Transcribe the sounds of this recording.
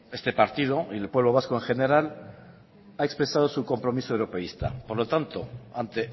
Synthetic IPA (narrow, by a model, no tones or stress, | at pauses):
e̞st̪e̞paɾt̪ið̞o̞ielpweβlo̞β̞askoeŋxe̞ne̞ɾal | aekspɾe̞sað̞o̞suko̞mpɾo̞misoewɾo̞pe̞ist̪a̰poɾlo̞t̪ant̪o̞̰ant̪e̞